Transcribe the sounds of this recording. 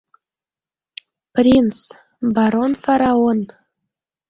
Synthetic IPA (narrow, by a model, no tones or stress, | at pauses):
prʲins | bɑɾonfɑɾɑon